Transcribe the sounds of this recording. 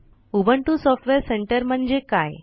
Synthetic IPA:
ubəɳʈusɔfʈʋeɾseɳʈəɾm̤əɳd͡ʑekaj

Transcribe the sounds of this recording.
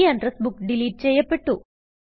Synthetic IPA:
ɐɳɖrɐsbukɖiliːʈ̚t͡ʃɛjːɐpːeʈːu

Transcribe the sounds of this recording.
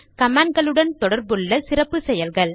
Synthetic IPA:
kɐmaːnɡɐɭɯɽɐnt̪ɔɽɐɾbɯɭːɐsɪɾɐpːɯsɛjɐlɣɐɭ

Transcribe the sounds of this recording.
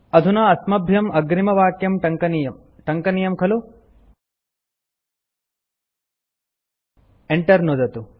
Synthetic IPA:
ɐd̪ʱunɐːsmɐbʱjɐmɐɡɾimɐʋaːkjɐmʈɐŋkɐnijɐm | ʈɐŋkɐnijɐmkʰɐlu | eɳʈɐɾnud̪ɐt̪u

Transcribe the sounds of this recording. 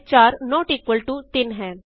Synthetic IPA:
t͡ʃaːɾnɔːʈiːkwəlʈut̪ɪnɦɛ̃ː

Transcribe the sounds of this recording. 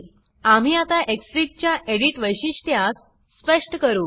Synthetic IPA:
am̤iːat̪aʔeksɾik̚t͡ɕjaʔeɽiʈʋəjɕiɕt̪ʰjas | spəʂʈəkəɾuː

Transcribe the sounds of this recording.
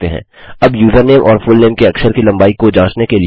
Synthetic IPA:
t̪eɦɛ̰̃ː | ɐbjuːzəɾneːmʔɔːɾfʊlneːmkeɐksəɾkilɐ̃mbaːikːod͡ʒãːt͡ʃnekeli

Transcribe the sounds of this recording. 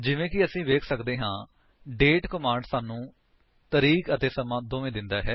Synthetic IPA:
d͡ʒɪʋẽːkɪəsĩːʋeːkʰsəkd̪eːɦãː | ɖeːʈkəmaːɳɖsaːnũː | t̪əɾiːkət̪eːsəmãːd̪oːʋẽːd̪ɪnd̪aːɦɛː

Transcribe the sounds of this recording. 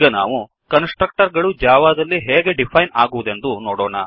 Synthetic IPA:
ɡɐna̰ːʋu | kɐnsʈɾɐk̚ʈɐɾɡɐɭud͡ʒaːʋaːd̪ɐlːiɦɛːɡe̞ɖipʰɐjnaːɡuʋud̪e̞nd̪unoːɽoːɳɐ

